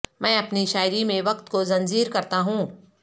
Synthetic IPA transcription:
mɛ̃ːɐpniʃaːɪɾimẽʋɐqt̪kozɐ̃nd͡ʒiːɾkɐɾt̪aɦũː

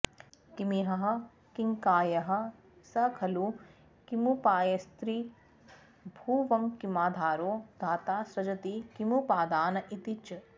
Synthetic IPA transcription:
kimiɦɐɦɐ̆ | kiŋkaːjɐɦɐ̆ | sɐkʰɐlu | kimupaːjɐst̪ɾiː | bʱuːʋɐŋkimaːd̪ʱaːɾoːd̪ʱaːt̪aːsɾɐd͡ʒɐt̪ikimupaːd̪aːnɐʔit̪it͡ʃɐ

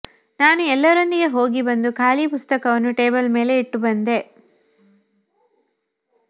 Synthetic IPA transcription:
naːnuɛlːɐɾond̪iɡeɦo̞ːɡibɐnd̪ukʰaːlipust̪ɐkɐʋɐnːuʈe̞ːbɐlme̞ːle̞iʈːubɐnd̪e̞

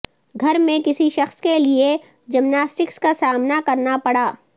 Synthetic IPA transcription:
ɡʱɐɾmẽkɪsiʃɐxskelie | d͡ʒɐmnaːsʈɪkskasaːmnakɐɾnapɐɽaː

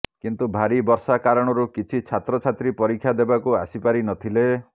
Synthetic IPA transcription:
kint̪ubʱaɾibɔɾsakaɾɔɽ̃ɔɾukit͡ʃʰit͡ʃʰat̪ɾɔt͡ʃʰat̪ɾipɔɾikʰːjad̪ebakuasipaɾinɔt̪ʰile

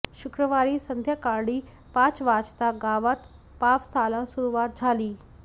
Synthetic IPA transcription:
ɕukɾəʋaɾiːsənd̪ʱjakaɾɽiː | pãt͡sʋat͡st̪aɡaʋat̪ | pafsalasuɾuʋat̪̚d͡zʱaliː

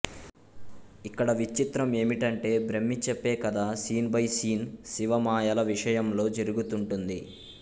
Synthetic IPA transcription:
ikːɐɽɐʋit͡ʃːit̪ɾɐme̞ːmiʈɐɳʈe̞ːbɾemːit͡ʃepːeːkɐd̪aːsiːnbɐjsiːnsiʋɐmaːjɐlɐʋiʂɐjɐmlo̞ːd͡ʒeɾuɡut̪uɳʈund̪i

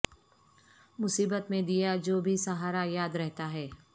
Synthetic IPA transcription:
mʊsiːbət̪mẽd̪ijad͡ʒoːbʱisɐɦaːɾajaːd̪ɾɛɦt̪aɦɛː

